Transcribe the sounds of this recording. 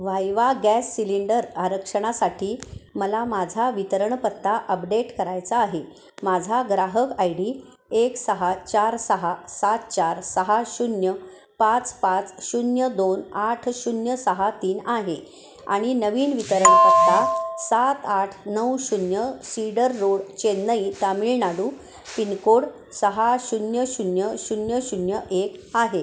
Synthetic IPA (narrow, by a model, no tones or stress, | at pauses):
ʋajʋaɡæsːiliɳɖəɾaɾəkʂəɽ̃asaʈʰiːməlamad͡zʱaʋit̪əɾəɳpət̪ːaʔəpɖeʈkəɾajt͡saːɦe | mad͡zʱaɡɾaɦəkajɽiː | eksəɦat͡ɕaɾsəɦasat̪̚t͡ɕaɾsəɦaɕunjə | pat͡spat͡sɕunjəd̪onaʈʰɕunjəsəɦat̪iːnaɦe | a̰ɽ̃inəʋiːnʋit̪əɾəɳkət̪asat̪aʈʰnəwɕunjəsiɽəɾːoɽt͡ɕenːəit̪amiɭnaɽuː | pinkoɽ | səɦaɕunjəɕunjəɕunjəɕunjəʔekaɦe